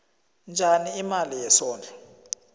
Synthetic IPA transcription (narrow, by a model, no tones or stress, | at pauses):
nd͡ʒʱaniːmalijɛsɔːnd͡ɮʰʱʼɛ